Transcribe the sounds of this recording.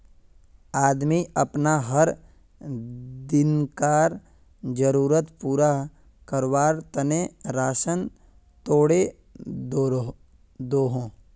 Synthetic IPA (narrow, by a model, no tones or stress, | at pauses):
aːd̪miɐpnaɦəɾ | d̪ɪnkaːɾ | d͡ʒəɾuːɾət̪puːɾa | kəɾwaːɾt̪ɐneɾaːʃən | t̪oːɽe | d̪oːɦõː